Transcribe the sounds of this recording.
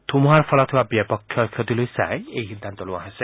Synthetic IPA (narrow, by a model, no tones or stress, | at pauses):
t̪ʰumuɦaɹpʰɔlɔt̪ʰibabiapɔkʰːjɔkʰjɔt̪ilojsa̰eejɦid̪ʱːant̪ɔluaɦese